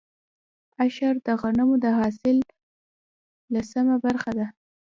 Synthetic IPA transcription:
aʃaɾd̪əɣanamod̪əɦɑsɪl | asamabaɾxad̪a

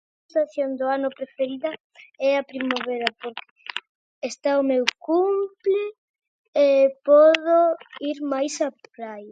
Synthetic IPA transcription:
st̪aθjond̪ʊanʊpɾefeɾiðɐ | ɛapɾimaβɛɾɐpoɾke̥ | est̪aʊmewkumplɪ | epɔðoiɾmajsapɾaj

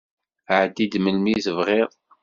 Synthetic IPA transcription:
ʕəd̪ːid̪məlmizəvʁeðˤ

